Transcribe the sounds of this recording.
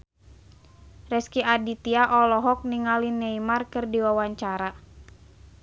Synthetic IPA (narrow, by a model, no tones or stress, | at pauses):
rɛskiadit̪iaʔɔlɔɦɔk̚niŋalinːɛimarkɨrdiwawaɲt͡ʃaɾa